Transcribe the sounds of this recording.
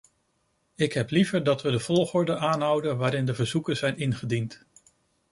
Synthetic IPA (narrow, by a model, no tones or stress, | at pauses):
ɪkɦɛplivəɹdɑtʋədəv̥ɔlˠχʊːɹdənaːnɦʌwdənʋaːɾɪndəvəɹzukəz̥ɛjnɪnχədint